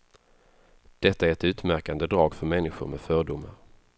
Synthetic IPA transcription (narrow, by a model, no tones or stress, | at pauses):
d̪̥ɛt̪ːaæɾɛt̪ʉ̟ːt̪mæɾkand̪əd̪ɾɑːɡfœɾmɛnːɪɧʊ̰ɾmɛ̰fœːɖʊmːaɾ